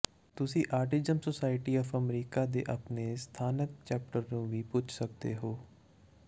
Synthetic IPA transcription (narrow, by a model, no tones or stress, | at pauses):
t̪ʊsĩːʔaːɾʈɪzəmsosaːɪʈiːɔːpʰəmɾiːkaːd̪ḛːʔa̰pneːst̪ʰaːnək̚t͡ʃɛːp̚ʈəɾnũːʋiːpʊt͡ʃsək̚d̪ḛːɦoː